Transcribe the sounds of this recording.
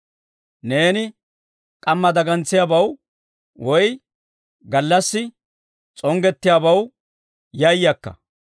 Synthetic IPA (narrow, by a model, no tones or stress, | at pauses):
ne̞ːnɪ | kʼɐmːɐd̪ɐɡɐnt͡sːɪjaːbɐw | wɔj | ɡɐlːɐsːɪ | t͡sʼɔŋɡɛt̪ːɪjaːbɐw | jɐjːɐkːɐ̰